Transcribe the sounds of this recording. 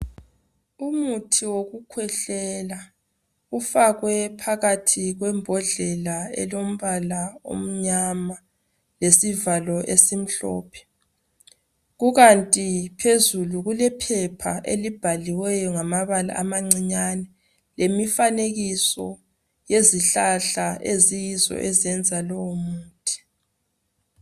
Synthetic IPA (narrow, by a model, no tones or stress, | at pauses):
umutʰiwoɣukʰwɛɬɛla | ufaɣwɛpʰaɣatʰiɣwɛmbʱɔɮɛlaɛ̰lom̩βalao̰m̩ɲama | lesivalɔʔesim̩ɬɔ̰ːpʰɛ̥ | ɣuɣantʼipʰezuluɣulɛpʰɛpʰa̰ʔḛlib̥ʱaliwɛjɔŋamaβala̰ʔːmaŋ͡ǀiɲanɛ | lemifaneɣisɔ | jeziɬaɬaʔezijizɔ̰ʔɛziɛnd͡zʱalɔwomuːtʰi̥